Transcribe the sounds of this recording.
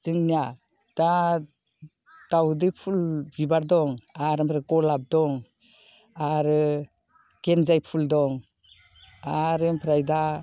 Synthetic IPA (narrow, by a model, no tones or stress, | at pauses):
z̥ɯŋnija | d̥a | tawdɯpʰulbibaɾdɔŋaɾɯmpʰɾekɔlab̚dɔŋ | aɾɯ | ɡ̥enzajpʰuldɔŋ | aɾempʰɾajda